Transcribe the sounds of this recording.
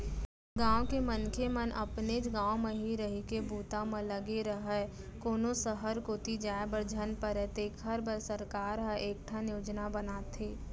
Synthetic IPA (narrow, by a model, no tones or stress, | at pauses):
ɡãːw̃kemənkʰemənʔə̰pned͡ʒɡãːoməɦiːɾəɦikebuːt̪amə̃ləɡeɾəɦə | koːnõsəɦəɾkoːt̪id͡ʒaːebəɾd͡ʒʱənpəɾɛt̪eːkɦəɾbəɾsəɾkaːɾɦəʔeːk̚ʈʰanjoːd͡ʒnabənaːt̪ʰeː